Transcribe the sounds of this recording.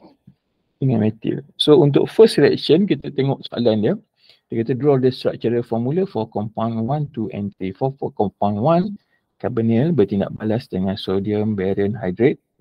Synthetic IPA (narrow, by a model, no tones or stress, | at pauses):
iŋãnmɛt̪ḭlsount̪̬ʊ̰k̚fəsilɛ̰kʃənkit̪ət̪eŋɔʔsoʔa̰landə | dakat̪ədɾɔldəst̪ɾa̰k̚t͡ʃəɾəfɔmuləfɔkɔmpawnwãnt̪uɛ̰̃nt̪ɾifɔfɔkɔmpanwãn | kabənɛlbət̪inda̰ʔ̚balasdəŋãnsodiəmbɛɾənɦajdɾɛt̪̚